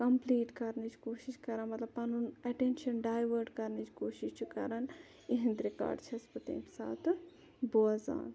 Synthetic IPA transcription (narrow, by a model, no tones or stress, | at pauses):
kɐmpliːʈkɐɾnit͡ʃʰkoːʃiʃkɐɾanmɐt̪lɐbpɐnunɐʈẽnʃɐnɖaːjʋəɾɖkɐɾnit͡ʃʰkoːʃiʃt͡ʃʰikɐ̰ɾɐn | iɦɐ̃nd̪ɾika̰ːɖt͡ʃʰiɐspɐt̪ḛ̃ːmksa̰ːt̪ʰ | boːza̰ːn